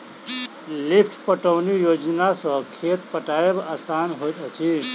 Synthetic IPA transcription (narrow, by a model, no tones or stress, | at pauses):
lipʰʈʰpəʈəwnijod͡ʒnasʌ̃kʰet̪pəʈaebasanɦojt̪ət͡ʃʰi